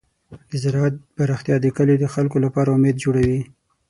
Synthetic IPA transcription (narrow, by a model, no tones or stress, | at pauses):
d̪̥əzɪɾɑat̪̚baɾaxt̪jɑd̪əkəled̪əxalkolapɑɾaʊmed̪d͡ʒoɽawi